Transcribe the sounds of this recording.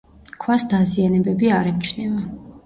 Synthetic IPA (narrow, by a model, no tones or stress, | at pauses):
kʰwasd̪azianɛbɛbiaɾɛmt͡ʃʰnɛva